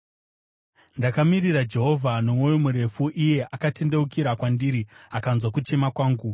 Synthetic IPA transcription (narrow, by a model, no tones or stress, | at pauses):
ndakamirirad͡ʒe̞ɦo̞vʱanomojomuɾe̞fuʔije̞ʔakatende̞ukiɾakwandiːɾiakanzwakut͡ʃe̞makwaːŋɡu